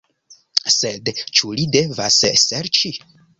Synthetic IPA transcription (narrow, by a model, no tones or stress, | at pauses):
sedt͡ʃulide̞vasseɾt͡ʃi